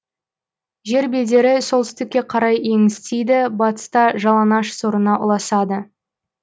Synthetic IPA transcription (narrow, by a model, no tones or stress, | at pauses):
ʒe̞ɾbeld̪e̞ɾɪso̞lˠt̪ʏst̪ɪkʲːe̞qʰɑɾɑje̞ŋɪst̪ejd̪ɪbɑt̪ə̥st̪ɑʒɑlˠɑnɑʃsoɾənɑʔʊ̰lˠɑsɑd̪ə